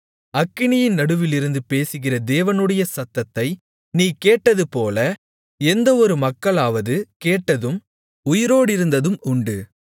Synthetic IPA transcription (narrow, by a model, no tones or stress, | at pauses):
ɐkːɪɳɪjɪnnɐɽɯʋɪlɪɾɯnd̪ɯpeːsɯɣɪrɐd̪eːʋɐnɯɽɐjɐsɐt̪ːɐt̪ːɐɪ | niːkeːʈːɐðɯpoːlɐ | ɛnd̪ɐɔɾɯmɐkːɐɭaːʋɐðɯkeːʈːɐðɯm | ʊjɪɾoːɽɪɾɯnd̪ɐðɯmʊɳɖɯ